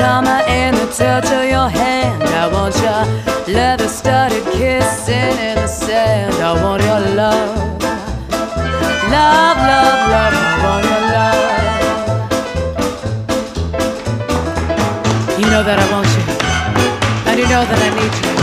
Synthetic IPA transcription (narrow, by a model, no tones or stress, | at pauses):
ɑməʔɪ̃nðɨt͡ʃʰɜ˞t͡ʃʌvjə˞hæ̃ndaɪwɑ̃nt͡ʃəlɛt̪̚ðɨstʌɾɨd̚kʰɪsɪ̃nɪ̃nðɨsæ̃ndaɪwɑ̃nt͡ʃə˞lʌv | lʌvlʌvlʌvaɪwɑ̃nt͡ʃəlaɪ | jɨnoʊðɨɾaɪwɑ̃nt͡ʃɨ | ɨ̃njɨnoʊðɨɾaɪnid̚tʰɨ